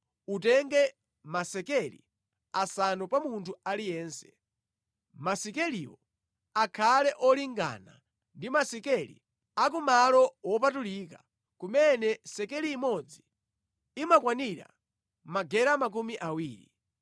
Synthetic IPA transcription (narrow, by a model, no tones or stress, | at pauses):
utɛŋɡɛ | masɛkɛlḭ | asanɔpamuntʰualijɛːnsɛ̥ | masikɛliwɔ | akʰalɛʔɔliŋɡa̰na̰ | ndimasikɛlḭ | ak̬umalɔwɔp̬atuliːka | kumɛnɛsɛkɛliːmɔd͡ziː | makwaniɾa̰ | maɡɛɾamak̬umiʔawiːɾi